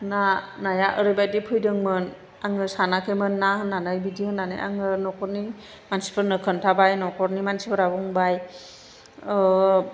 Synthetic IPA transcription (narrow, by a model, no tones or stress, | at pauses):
nanajaʔɯɾɯjbajdipʰɯjdɯŋmɯn | aŋɯsanakʰemɯnːahɯnːanajbidihɯnːanɯ̰jʔa̰ŋɯnɔkʰɔɾni | mansi̥pʰəɾnɯkʰɯntʰabajnɔkʰɔɾnimansipʰɯɾabɔŋbaj